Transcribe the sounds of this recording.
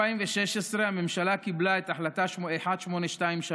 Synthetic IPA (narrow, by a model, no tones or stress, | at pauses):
aimveʃeʃesʁehamemʃalakiblaet̪aħlat̪aʃeħad̪ʃmo̞neʃtaimʃa